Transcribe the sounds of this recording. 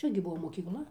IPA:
ˈt͡ʃʲɛ ɡʲɪ ˈbuɔ moːkʲiːkˈlˠɐ

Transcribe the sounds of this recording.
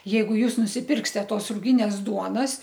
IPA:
ˈjɛɪɡʊ ˈjuːs nʊsʲɪˈpʲɪrksʲtʲɛ ˈtoːs ruːˈɡʲɪnʲeːs ˈduɔnɐs

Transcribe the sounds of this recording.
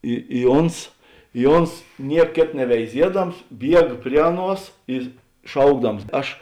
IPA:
ˈɪ ɪ ˈoːns ɪ ˈoːns ˈnʲiɛk ˈkʲeːt nʲɛʋʲɛɪˈzʲiɛdɐms ˈbʲiɛk ˈpʲrʲiɛ ɐˌnuɔs ɪ ˈʃɐʊɡdɐms ˈɐʃ

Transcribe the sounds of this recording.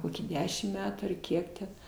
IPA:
ˈkoːkʲiː ˈdʲæːʃʲɪm ˈmʲæːtuː ɐr ˈkʲiɛk tʲɛn

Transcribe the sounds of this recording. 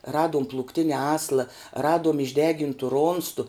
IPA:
ˈrɑːduɔm plˠuːkˈtʲɪnʲɛ ˈɑːslˠɐ ˈrɑːduɔm ɪʒʲˈdʲæːɡʲɪntʊ ˈroːnstʊ

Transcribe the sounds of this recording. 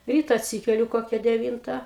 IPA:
ˈrʲiːtɐ ɐtʲˈsʲiːkʲɛlʲʊ ˈkoːkʲɛ dʲɛˈʋʲiːntɐ

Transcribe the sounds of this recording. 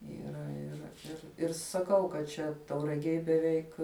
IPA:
iːˈrɐ ɪˈrɐ ɪr ɪr sɐˈkɐʊ kɐt ˈt͡ʃʲɛ tɐʊrɐˈɡʲeːj bʲɛˈʋʲɛɪk

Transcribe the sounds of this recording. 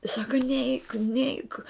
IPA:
jɪs ˈsɑːkɐ nʲɛɪk nʲɛɪk

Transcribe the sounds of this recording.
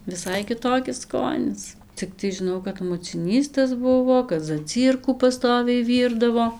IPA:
ʋʲɪˈsɐɪ kʲɪˈtoːkʲɪs ˈskoːnʲɪs t͡sʲɪkˈtɐɪ ʒʲɪˈnɐʊ kɐt mʊt͡sʲɪˈnʲiːs tɐs ˈbʊʋoː kɐt zɐˈt͡sʲiːrkuː pɐˈstoːʋʲɛɪ ˈʋʲiːrdɐʋoː

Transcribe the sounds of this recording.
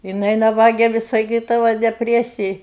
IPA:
jɪˈnɐɪ nɐˈbɑːɡʲɛ ʋʲɪs sɐˈkʲiːdɐʋɐ dʲɛˈpʲrʲæːsʲɪj

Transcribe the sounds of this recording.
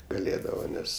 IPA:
ɡɐˈlʲeːdɐʋɐ ˈnʲɛs

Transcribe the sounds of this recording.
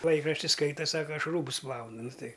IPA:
ˈlˠɐɪkrɐʃʲtʲɪ ˈskɐɪtɐ ˈsɑːkɐ ˈɐʃ ˈruːbʊs ˈplˠɐʊnʊ ˈnʊ ˈtɐɪ

